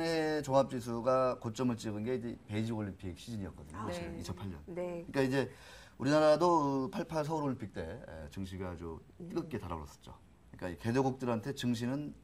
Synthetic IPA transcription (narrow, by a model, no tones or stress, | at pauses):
ŋet͡ɕoŋɦap̚t͡ɕ͈is̬ʰuɡakot͡ɕ͈ʌmɯɭt͡ɕ͈iɡɯnɡe̞id͡ʑepe̞id͡ʑioʎːimpʰik̚ɕʰid͡ʑiɲiʌt̚k͈ʌdɯɲokoɕiɾɯnit͡ɕʰʌnpʰaɭɲʌ̰nkɯɲik͈aid͡ʑe̞ | uɾinaɾadoɯpʰaɭpʰaɭs̬ʰʌuɾoɭimpʰik̚t͈e̞ḛt͡ɕɯŋɕʰiɡaːd͡ʑu | t͈ɯkɯk͈e̞taɾaoɾʌs͈ʌ̥t͡ɕ͈o̰ | ɯɲik͈a̰ike̞doɡuk̚t͈ɯɾɦantʰe̞t͡ɕɯŋɕ̬ʰinɯn